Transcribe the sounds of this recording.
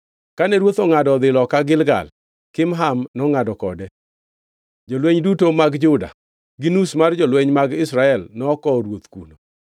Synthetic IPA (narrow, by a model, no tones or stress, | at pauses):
kanɛɾwot̪ɔŋadɔd̪ɪlɔkaɡɪlɡa̰l | kɪmɦamnɔŋadɔkɔ̰dɛ | d͡ʒolweɲdutomaɡd͡ʒʊda̰ | ɡinusmard͡ʒɔlweɲmaɡɪsɾaɛlnɔːkɔɾwot̪kṵno